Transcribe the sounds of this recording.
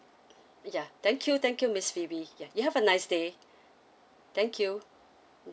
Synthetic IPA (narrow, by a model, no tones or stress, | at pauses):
jat̪ɛ̃ŋkʰjut̪ɛ̃ŋkjumɪsfibijajuhɛvənaɪsde | t̪ɛ̃ŋkʰju